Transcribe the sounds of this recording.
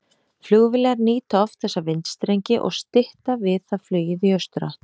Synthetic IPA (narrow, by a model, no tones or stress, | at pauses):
fljʏɣvɪlɛɣaɾniːt̪aɔfθɛsːavɪnt̪st̪ɾejɲcɪʔɔ̰ɣst̪ɪht̪avɪðθaðflœːjɪðiœst̪ʏɾa